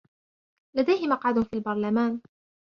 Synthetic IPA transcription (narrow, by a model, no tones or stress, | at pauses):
lad̪ajhɪmɑqʕad̪fiːlbɑɾˤlamaːn